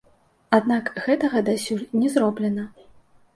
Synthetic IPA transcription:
ad̪nakɣɛt̪ɐɣɐd̪asʲurnʲɛzɾɔblʲɛnɐ

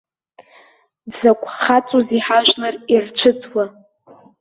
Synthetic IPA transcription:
dzakʷʰʼχat͡sʼuziħaʒᶣlɨrirt͡ʃʷʰɨt͡sʰʼwa

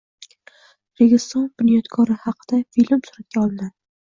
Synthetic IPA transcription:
ɾeɡʲɪst̪ɒnbʊnijɒt̪kʰɒɾɪhɑqʰɨd̪̥afilmsʊɾat̪̚kʲʰaɒlˠɪna

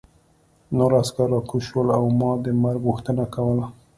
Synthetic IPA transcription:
noɾaskaɾɑkuʃwəlawmɑd̪əmaɾɡɣuxt̪ənakawəla

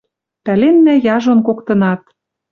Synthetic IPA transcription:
pælenːæjɑʒŏnkokt̪ɤ̆nɑt̪̚

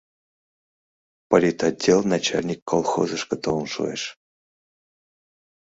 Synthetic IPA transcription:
polʲit̪adʲːelˠnat͡ɕalʲnʲikːolˠxo̰zəʂkət̪onʂṵḛʂ

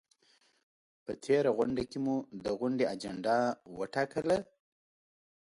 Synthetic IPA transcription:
pət̪ʰeɾaɣʊɳɖakemud̪əɣʊɳɖead͡ʒaɳɖɑwə̰ʈɑkəla

